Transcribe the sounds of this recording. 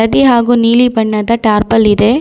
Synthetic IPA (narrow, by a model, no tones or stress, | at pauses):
ɐd̪iɦaːɡuːniːlibɐɳːɐd̪ɐʈaːɾpɐlːid̪e